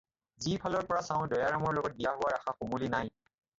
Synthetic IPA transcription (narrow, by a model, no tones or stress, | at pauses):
zipʰalɔɹpɔɹasãʊ̃dɔjaɹamɔɹlɔɡɔt̚bijaɦʊwaɹaxaxomulinaj